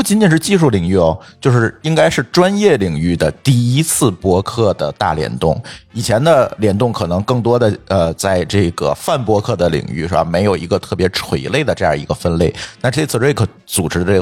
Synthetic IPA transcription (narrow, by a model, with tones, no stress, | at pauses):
pu˥˩t͡ɕi˧˥nt͡ɕi˨˩nʂɻ̩˥˧t͡ɕi˥˧ʂu˥˩li˨˩ŋy˥˩ɔ˨˩t͡ɕjo˥˧ʊʂɻ̩˥˩i˥ŋka˥ɪʂɻ̩˥˩ʈ͡ʂwa˥njɛ˥˩li˨˩ŋy˥˩d̪ə˩t̪i˥˩i˥t͡sʰɹ̩˥˩pwɔ˥kʰɤ˥˩d̪ə˩t̪a̰˥˩ljɛ̰˧˥nt̪ʊ̰˥˩ŋi˨˩t͡ɕʰjɛ˧˥nd̪ə˧ljɛ˧˥nt̪ʊ˥˩ŋkʰɤ˨˩nɤ˧˥ŋkɤ˥˩ŋt̪̬wɔ˥d̪ə˨ə˧t͡sa˥˧ɪʈ͡ʂɤ˥˩ɡə̰˩fa˥˩npwɔ˥kʰɤ˥˩d̪ə˩lḭ˨˩ŋy̰˥˩˧ʂɻ̩˥˩ba̰˨˩me˧˥ɪjo˨˩ʊi˧˥ɡə˧t̪ʰɤ˥˩pjɛ˧˥ʈ͡ʂʰwe˧˥ɪle˥˩ɪd̪ə˩ʈ͡ʂɤ˥˧jɑ̰˥˩i˧ɡə˧fə˥nle˥˩ɪna˥˧ʈ͡ʂə˥˧ɪt͡sʰɹ̩˥˧ʈ͡ʂwe˥˩ɪkʰɤ˧˥ | t͡su˨˩ʈ͡ʂɻ̩˥d̪ə˥˧˩